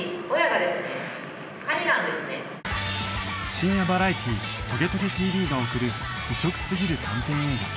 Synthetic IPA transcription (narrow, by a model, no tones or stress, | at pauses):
ojaɡad̪e̞sɨne | kaɲʲinãnd̪e̞sɨne̞ | ɕĩɰ̃jabaɾait̪ʲʰit̪o̞ɡe̞t̪o̞kʲet̪ʰʲiːbʲiːɡaokɯ̟ɾɯ̟̥iɕo̞kɯ̟̥sɨɡʲiɾɯ̟t̪ʰãmt̪ẽ̞ɰ̃eːɡa